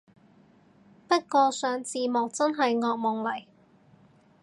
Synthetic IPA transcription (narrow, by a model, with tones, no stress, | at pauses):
pɐ˥t̚kɔː˧sœː˨˥ŋt͡siː˨˧mʊ˨k̚t͡sɐ˥nɦɐ˨jŋɔː˧k̚mɔ˨˩ŋlɐ˨˩j